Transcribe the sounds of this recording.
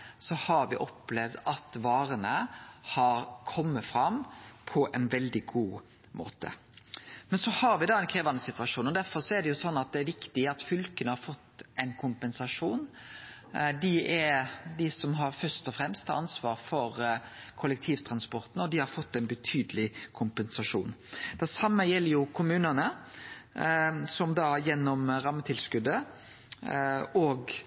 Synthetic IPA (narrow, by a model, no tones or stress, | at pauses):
sɔhɑɾʋɪʔɔplɛʋd̪ɑt̪ʋɑːɾənəhɑɾkʰɔmːəfɾɑmpʰɔʔɛɪnʋɛld̪ɪɡuː | mo̰ːt̪ə̰ | mɛnsɔhɑɾʋɪd̪ɑɛɪnkʰɾeːʋɑnəsɪt̪ʋɑʂuːnɔd̪æɾfɔɾʂɔæd̪ɛjʊsɔnːɑt̪̚d̪ɛæɾʋɪkt̪ɪɑt̪fʏlkənəhɑɾfɔt̪ːɛɪnkʰʊmpɛnsɑʂuːn | d̪ɪɛɾd̪ɪsɔmɦɑɾfœst̪ɔfɾɛmst̪ʰɑnsʋɑːɾfɔɾ | kʰʊlːɛk̚t̪ʰiːʋt̪ʰɾɑnspɔɾt̪n̩ɔd̪ɪhɑɾfɔt̪ːɛɪnbət̪ʰyːd̪əlɪkʰʊmpɛnsɑʂṵːnd̪̥ɛsɑmːəjɛlːəɾjʊkʰʊmʉːnənə | sɔmd̪ɑːjɛnːɔmɾɑmːət̪ʰɪlskʉd̪ːə | ɔɡ